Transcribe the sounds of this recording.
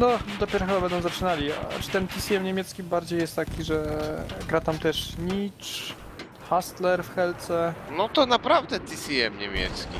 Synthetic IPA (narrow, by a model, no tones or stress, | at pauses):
nɔd̪ɔpʲjɛɾɔxɘbabɛnd̪ɔw̃zat͡ʂɘnalʲia̰ʈ͡ʂɨ̥t̪ɛnt̪ʲisʲiɛmɲemʲjɛt̪skʲibaɾd͡ʑejɛst̪ːakʲiʐɛɡɾat̪amt̪ɛʂɲit͡ʂ | xast̪lɛɾfxɛlt̪sɛnɔt̪ɔnapɾavd̪ɛt̪ʲisʲiɛmɲḛmʲjɛ̰t̪skʲḭ